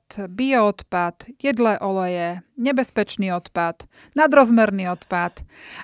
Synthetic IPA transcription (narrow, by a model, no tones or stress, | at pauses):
t̪biɔɔt̪pad̪̥jɛd̪lɛːʔɔlɛjɛɲɛbɛspɛt͡ʃniːɔt̪pad̪ | nad̪ɾɔzmɛɾniːɔt̪pat̪